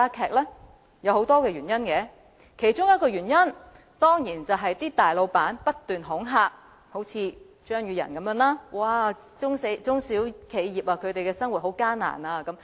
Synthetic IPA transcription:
aː˥kʰɛː˨k̚lɛː˥ | jɐ˨˧who˨˧˥wt̪ɔː˥kɛː˧jyː˨˩njɐ˥nkɛː˨˧˦ | kʰe˨˩jt͡ʃʊ˥ŋjɐ˥t̚kɔː˧ɥyː˨˩njɐ˥n | t̪ɔː˥ŋjiː˨˩nt͡sɐ˨wɦɐ˨jt̪iː˥t̪aː˨jlo˨˧wpaː˨˥npɐ˥t̚t̪yː˨˩nɦʊ˨˥ŋɦaː˧k̚ | ho˨˧˥wt͡sʰiː˨˧ | t͡ʃœː˥ŋjyː˨˧jɐ̰˨˩nkɐ˨˦mjœː˨˧˥ŋlaː˥waː˧˩t͡sʊ˥ŋsi˨˥t͡sʊ˥ŋsiː˨˥wkʰe˨˧jjiː˨˩p̚aː˧kʰɵ˨˧t̪e˨jkɛː˧sɐ˥ŋwu˨t̚ho˨˥wkaː˥nna̰ː˨˩naː˧kɐ˨˥m

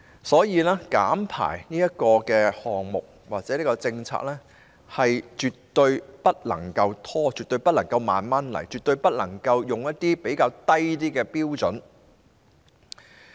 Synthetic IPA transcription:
sɔː˨˥jiː˨˧lɛː˥ka̰ː˨˥mpʰa̰ː˨˩jniː˥jɐ˥t̚kɔː˧kɛː˧hɔː˨ŋmʊ˨k̚waː˨t̚t͡sɛː˨˦liː˥kɔ˧t͡sɪ˧ŋt͡sʰa̰ː˧˥k̚lɛː˥ | hɐ˨jt͡ʃyː˨tt̪ːɵ˧ɥpɐ˥t̚lɐ̰˨˩ŋkɐ˧wt̪ʰɔː˥t͡ʃy˨t̪ːɵ˧ɥpɐ˥t̚lɐ˨˩ŋkɐ˧wma̰ː˨nmɐ˥nlɐ̰˨˩jt͡ʃyː˨t̪ːɵ˧ɥpɐ˥t̚lɐ˨˩ŋkɐ˧wjʊ˨ŋjɐ˥t̚t̪iː˥pe˨˥jkaː˧wt̪ɐ˥jt̪̬iː˥kɛː˧piː˥wt͡sɵ˨˥n

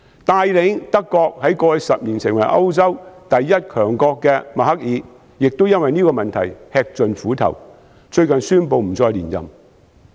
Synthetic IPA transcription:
t̪aː˧jlɪ˨˥ŋt̪ɐ˥kːɔː˧k̚hɐ˨˥jkɔː˧jɐ˧sɐ˨p̚liː˨˩nsɪ˨˩ŋwɐ˨˩jʔɐ˥wt͡sɐ˥wt̪ɐ˨jːɐ˥t̚kʰœː˨˩ŋkɔː˧kːɛː˧mɐ˨˩hɐ˥k̚jiː˨˧ | jɪ˨k̚t̪o˥wjɐ˥nwɐ˨jniː˥kɔː˧mɐ˨nt̪ʰɐ̰˨˩jhɛː˧k̚t͡sɵ˨nfuː˨˥t̪ʰɐ̰˨˩w | t͡ʃɵ˧ɥkɐ˨nsyː˥npo˧wm̩˨˩t͡sɔː˧jliː˨˩njɐ̰˨˩m

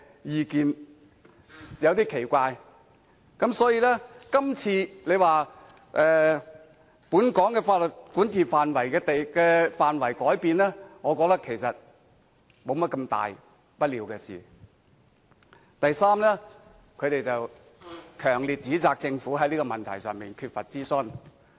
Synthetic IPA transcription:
jiː˨˧kiː˨n | jɐ˨˧wt̪iː˥kʰe˨˩jkʷaː˧j | kɐ˨˥msɔː˨˥jiː˧lɛː˥kɐ˥mt͡sʰiː˧le˨˧jwaː˨˩ | ʔɛː˨ | puː˨˥nkɔː˨˥ŋkɛː˧faː˧t̚lə˨˩t̚kuː˨˥nt̪ʰiː˨˩faː˨nwɐ˨˩jkɛː˧t̪e˨jkɛː˧faː˨nwɐ˨˩jkɔː˨˥jpiː˨˧nlɛː˥ŋɔː˨˧kɔː˧k̚t̪ɐ˥kʰːe˨˩jsɐ˨t̚ | mo˨˧wmɐ˥t̚kɐ˧mt̪a̰ː˨j | pɐ˥t̚liː˧wkɛː˧sḭː˨˩ | t̪ɐ˨jsaː˥mlɛː˥ | kʰɵ˨˧ɥt̪e˨jt͡sɐ˨w | kʰœː˨˩ŋliː˨t̚t͡siː˨˥t͡saː˨k̚t͡sɪ˧ŋfuː˨˥ɦɐ˨˥jliː˥kɔː˧mɐ˨nt̪ʰɐ˨˩jsœː˨ŋpiː˨nkʰyː˧t̚fɐ˨t̚t͡siː˥sɔ˥n

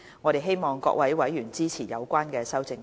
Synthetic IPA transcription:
ŋɔ˨˧ɾe˨˩ɦe˥jmɔː˨˩ŋkɔ̰ː˧k̚wɐ˨˦˥jwɐ˨˥jːyː˨˩nt͡siː˥t͡sʰiː˨˩jɐ̰˨˧wkʷwaː˥nkɛː˧sɐ˥wt͡sɪ˧ŋ

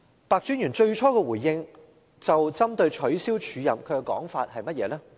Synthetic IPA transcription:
paː˨˧k̚t͡ʃy˨˥njyː˨˩nt͡ʃɵ˧ɥt͡ʃʰɔː˥kɛː˧wuː˨˩jːɪ˧ŋ | t͡sɐ˨wt͡sɐ˥mt̪ɵ˧ɥt͡ʃʰɵ˨˥ɥsiː˥wt͡ʃʰyː˨˧jɐ˨mkʰɵ˨˧ɥkɛː˧kɔ̰ː˨˥ŋfaː˧t̚hɐ˨jmɐ˥t̚jɛː˨˧lɛː˥

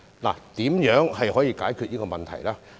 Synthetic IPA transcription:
la̰ː˨˩t̪iː˨˥mjœː˨˥ŋhɐ˨jhɔː˨˥jiː˨˧kaː˨˥jkʰyː˨˧t̚niː˥kɔː˧mɐ˨nt̪ʰɐ̰˨˩jlaː˦˥

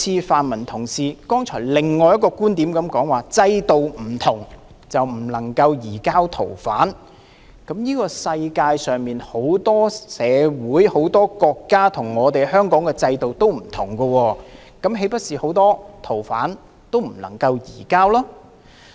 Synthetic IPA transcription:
iː˧faː˨nmɐ˨˩nt̪ʰʊ˨˩ŋsiː˨kɔː˥ŋt͡ʃʰɔː˨˩jlɪ˨ŋːɔː˨˧jɐ˥t̚kːɔː˧kuː˥nt̪iː˨˥mkɐ˨˥mkɔː˨˥ŋwaː˨˩t͡sɐ˧jt̪o˨wm̩˨˩t̪ʰʊ˨˩ŋ | t͡sɐ˨wm̩˨˩lɐ˨˩ŋkɐ˧wjiː˨˩kaː˥wt̪ʰo̰˨˩wfa̰ː˨˥n | kɐ˨˥mjiː˥kɔː˧sɐ˧jkaː˧jsœː˨˩ŋmiː˨nho˨˥wt̪ɔː˥sɛː˨˧wuː˨˥jho˨˥wt̪ɔː˥kɔː˧kːaː˥t̪ʰʊ˨˩ŋːɔː˨˧t̪e˨jhœː˥ŋkɔː˨˥ŋkɛː˧t͡sɐ˧jt̪o˨wt̪o˥wm̩˨˩t̪ʰʊ˨˩ŋɡə˧wɔː˧ | kɐ˨˥mɦe˨˥jpɐ˥t̚siː˨ho˨˥wt̪ɔː˥t̪ʰo˨˩wfa̰ː˨˥n | t̪o˥wm̩˨˩lɐ̰˨˩ŋkɐ˧wjḭː˨˩kaː˥wlɔː˥

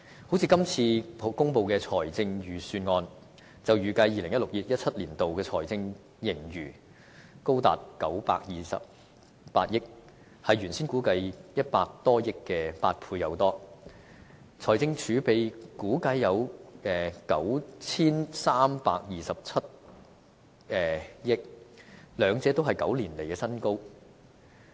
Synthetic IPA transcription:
ho˨˥wt͡sʰiː˧kɐ˥mt͡sʰiː˧pʰkʊ˥ŋpo˧wkɛː˧t͡sʰɔː˨˩jt͡sɪ˧ŋjyː˨˩syː˧nŋɔː˧n | t͡sɐ˨wjyː˨˩kɐ˧jiː˨lɪ˨˩ŋjɐ˥t̚lʊ˨k̚jiː˨˥t̚jɐ˥t̚t͡sʰɐ˥t̚liː˨˩nt̪o˨wkɛː˧t͡ʃʰɔ̰ː˨˩jt͡sɪ˧ŋ | jɪ˨˩ŋjyː˨˩ | ko˥wt̪a̰ː˨t̚kɐ̰˨˥wpa̰ː˧k̚jiː˨˩sɐ̰˨p̚ | paː˧t̚jɪ˥k̚ | hɐ˨jɥyː˨˩nsiː˥nkuː˨˥kɐ˧jjɐ˥t̚paː˧k̚t̪ɔː˥jɪ˥kːɛː˧paː˧t̚pʰuː˧jɐ˨˧wt̪ɔː˥ | t͡sʰɔː˨˩jt͡sɪ˧ŋt͡ʃʰyː˨˧pe˨jkuː˨˥kɐ˨˧jːɐ˨˧wɛː˨kɐ˨˥wt͡sʰiː˥nsaː˥mpaː˧k̚jiː˨sɐ˨p̚t͡sʰɐ˥t̚ | ɛː˨jɪ˥k̚lœː˨˧ŋt͡sɛː˨˥t̪o˥wɦɐ˨jkɐ̰˨˥wliː˨˩nle˨˩jkɛː˧sɐ˥nko˥w

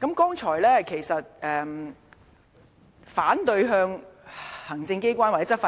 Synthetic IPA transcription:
kɐ˨˥mkɔː˥ŋt͡ʃʰɔː˨˩jlɛː˥kʰe˨˩jsɐ˨t̚ɛː˨m | faː˨˥nt̪ɵ˧ɥɦœː˧ŋ | hɐ˨˩ŋt͡sɪ˧ŋke˥jkʷaː˥nw̚t͡sɛː˨˦˥t͡st̚fɐ˧

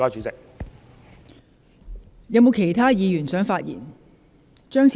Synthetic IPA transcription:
ɔː˥t͡ʃy˨˥t͡sɪ˨k̚ | jɐ˨˧mo˨˧wkʰe˨˩jt̪ʰaː˥jiː˨˧jyː˨˩nsœː˨˥ŋfaː˧t̚jḭː˨˩n | t͡ʃœː˥ŋs

